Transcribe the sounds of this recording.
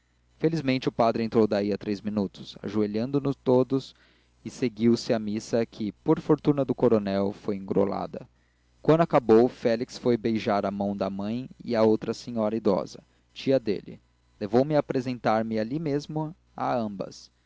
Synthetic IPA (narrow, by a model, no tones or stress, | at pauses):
felizmẽnt͡ʃɪʊpad̪ɾɪẽnt̪ɾowd̪aiɐt̪ɾejzminut̪ʊ̥sa̰ʒueʎɐ̃nd̪ʊnʊst̪od̪ʊs | ɪseɡiwsɪɐmisɐkʰɪpoɾfoɾt̪unɐd̪ʊkoɾonɛwfojẽŋɡɾo̰la̰d̪ɐ̰ | kwɐ̃nd̪akabowfɛliksfojbejʒaɾɐmɐ̃w̃d̪ɐmɐ̃j̃ɪ̰ɐowt̪ɾɐsẽɲɔɾɐid̪ɔ̰zɐ | t͡ʃiɐd̪ḛlɪ̰ | levowmɪapɾezẽnt̪aɾmɪalimezmʊ | a̰ɐ̃mbɐ̰s